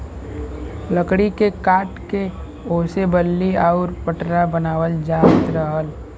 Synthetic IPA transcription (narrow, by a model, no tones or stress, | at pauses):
ləkɽikekaːʈke | oːsebəlːiaʊɾpəʈɾabənaːwəld͡ʒaːt̪ɾəɦəl